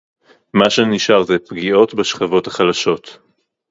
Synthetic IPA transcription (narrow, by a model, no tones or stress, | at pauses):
maʃeniʃaʁzɛpɡio̞tbeʃχavo̞thaχalaʃo̞t